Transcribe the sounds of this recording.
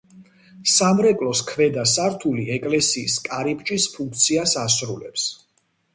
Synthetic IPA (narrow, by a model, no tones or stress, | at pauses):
samɾɛkʼlɔskʰvɛd̪asaɾt̪ʰuliɛkʼlɛsiːskʼaɾipʼt͡ʃʼispʰuŋk̚ʰt̪sʰiasasɾulɛps